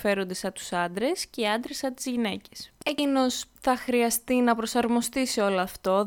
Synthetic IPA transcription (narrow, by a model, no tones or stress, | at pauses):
fe̞ɾo̞nd̪esɐt̪u̥sɐnd̪ɾe̞sceiɐnd̪ɾesɐt̪izʝine̞ce̞̥secino̞ssθɐxɾiɐst̪inɐpɾo̞sɐɾmo̞st̪isio̞loɐft̪o̞